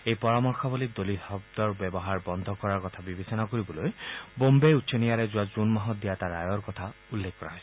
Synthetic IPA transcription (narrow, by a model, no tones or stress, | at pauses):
ejpɔɹamɔɹxʰɔbɔlid̪olihɔb̚d̪ɔɹbɛbɔɦaɹbɔnd̪ʱɔkɔɹaɹkɔt̪ʰabibesɔnakoɹibɔlojbombeutːsʰɔnijaɾezuwazunmaɦɔt̚d̪ijat̪aɹajɔɹkɔt̪ʰa | ulːekʰkːɔɹaɦɔjs